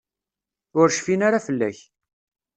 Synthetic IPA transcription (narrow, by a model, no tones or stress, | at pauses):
ʊɾʃfinaɾafəlːæ̰ç